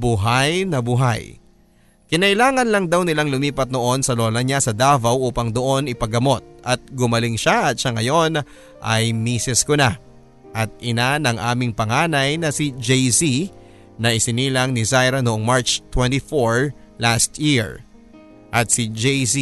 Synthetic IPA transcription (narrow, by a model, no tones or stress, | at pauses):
buɦajnɐbʊɦa̰j | kɪnɐʔɪlaːŋɐnlɐŋd̪awnɪlaŋlʊmiːpɐt̪̚noʔo̞nsɐlo̞lɐɲasɐd̪aːvɐwʔuːpɐŋd̪o̞ʔo̞nɪpɐɡɐmo̞t̪̚ʔɐt̪̚ɡʊmɐlɪŋʃaʔɐt̪̚ʃɐŋɐjo̞n | ʔɐ̰jmiːsɛskona | ʔɐt̪̚ʔɪnanɐŋʔaːmɪŋpɐŋaːnɐjnɐsid͡ʒɛjsi | nɐʔɪsɪniːlɐŋnɪzajɾɐnoʔoŋmaɹt͡ʃt̪wɛnt̪ifoɹ | last̪jiɹ | ʔɐt̪̚sɪd͡ʒɛjsi